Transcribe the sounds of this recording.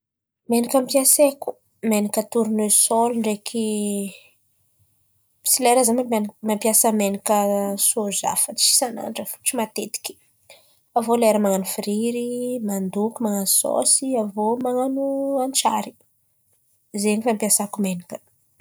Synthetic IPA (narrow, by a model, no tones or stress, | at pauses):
menikampijaseku̥ | menikət̪uɾunwesoluɳɖ͡ʐekʰi | sileɾazamamampjasəmenikəsoza̰fət͡ssi̥sana̰nɖ͡ʐəfu̥t͡ʃimat̪et̪i̥ki̥ | avoleɾəmaŋanufiɾiɾimand̪ukʲumaŋanuso̰siavomaŋanuant͡ʃa̰ɾi | zenifampiasakumenikə̥